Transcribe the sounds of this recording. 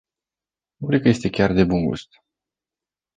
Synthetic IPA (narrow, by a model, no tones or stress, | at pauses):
nukɾekəje̞st̪e̞kʲard̪e̞bunɡṵst̪